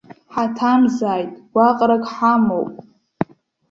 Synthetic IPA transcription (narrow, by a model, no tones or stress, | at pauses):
ħatʰamzaːjtʼɡ̥ʷaqʼɾakʼħamowpʼ